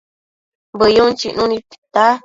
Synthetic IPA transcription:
bəjunt͡ʃiʔnũnĩt̪i̥t̪a

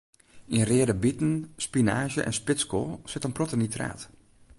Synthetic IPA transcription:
inrɪədəbitn̩spinaːʒə̰ʔɛ̰nspɪskolˠsɪtənprotənitra̰ːt

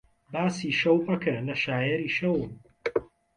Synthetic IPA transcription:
baːsiːʃɐwpɐkʰɐlɐʃaːjɛɾiːʃɐwn

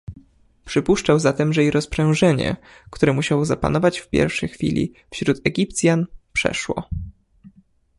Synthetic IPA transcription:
pʂɘpuʂt͡ʂawzat̪ɛmʐɛjiɾɔspʂɛ̃w̃ʐɛɲɛ̰ | kt̪uɾɛmuɕawɔzapa̰nɔvat͡ɕfpʲjɛ̰ɾfʂɛjxfʲḭlʲḭ | fɕɾut̪ɛɡʲipt̪sʲjanpʂɛ̰ʂwɔ̰

